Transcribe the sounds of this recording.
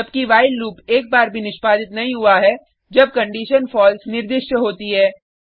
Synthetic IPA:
ɐb̚kiʋaːɪlːuːpeːk̚baːɾbʱinɪʃpaːd̪ɪt̪nɐɦĩɦʊaɦɛ | d͡ʒɐb̚kɐ̃ɳɖiːʃənfɔːlsnɪɾd̪ɪʃjəɦoːt̪iɦɛː

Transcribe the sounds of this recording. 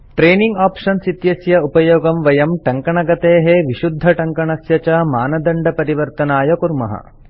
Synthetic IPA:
ʈɾeːniŋɡaːpʂɐnsit̪jɐsjɐupɐjoːɡɐmʋɐjɐmʈɐŋkɐɳɐɡɐt̪eːɦeʋiʃud̪ʱːɐʈɐŋkɐɳɐsjɐt͡ʃɐmaːnɐd̪ɐɳɖɐpɐɾiʋɐɾt̪ɐnaːjɐkuɾmɐ̰ɦɐ̰

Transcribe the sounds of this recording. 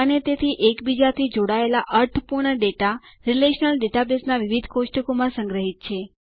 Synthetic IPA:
ənet̪et̪ʰiʔekbid͡ʒat̪ʰid͡ʒoɽaelaʔəɾʈʰəpuɾɳəɖeʈaɾileʃnəlɖeʈabesnaʋiʋid̪ʱkoʃʈəkomãsə̃ŋɡɾəɦit̪̚t͡ʃʰe

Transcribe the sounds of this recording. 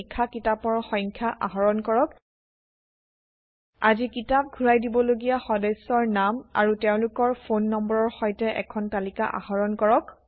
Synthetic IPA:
kʰːakitapɔɹxɔ̃jŋkʰjaʔaɦɔɹɔnkɔɹɔk | azikitap̚ɡʱuɹajdibɔloɡijaxɔdɛsɔɹnama̰ɹuteʊ̃lʊkɔɹpʰonːɔmbɔɹɔɹxɔjtɛʔɛ̰kʰɔntalikaʔa̰hɔɹɔnkɔɹɔk̚

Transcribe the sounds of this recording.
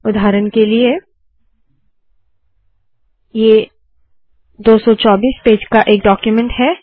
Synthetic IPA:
ʊd̪ʱaːɾənkelie | jeː | d̪oːsɔt͡ʃɔːbiːspeːd͡ʒkaʔeːk̚ɖɔːkjumẽɳʈɦɛː

